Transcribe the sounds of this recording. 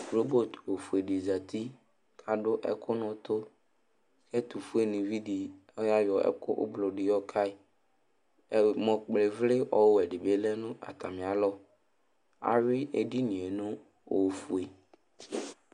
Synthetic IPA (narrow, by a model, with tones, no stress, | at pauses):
ɾo˦bo˦˨t̪o˨fu˨e˨di˨za˨t̪ʰi˦ | kʰa˨ɖʊ˦ʔɛ̰˦kʰʊ˦nʊ̃˦t̪ʊ˦ | kɛ˦t̪u˨fu˦e˨nɪ̃˨vi˦di˨ | ɔ˦ja˦jɔ˨ɛ̰˦kʊ˦ʔʊ̰˦blʊ˨ɖɪ˨jɔ˦kʰa˦ɪ˨ | mɔ̃˨k͡ple˨vlɪ˦ʔɔ˦wʊ˦ɛ˨ɖɪ˨be˦lɛ˦nʊ̃˦ʔa̰˨t̪a˨mɪ̃˨a˨lɔ˦˨ | a̰˨ɾɪ˦e˨di˦nĩ˨e˨nʊ̃˦ | o˨fu˨e˨